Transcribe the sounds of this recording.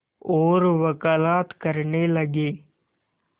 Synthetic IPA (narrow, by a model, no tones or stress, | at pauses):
ɔːɾʋɐkaːlaːt̪kəɾneləɡeː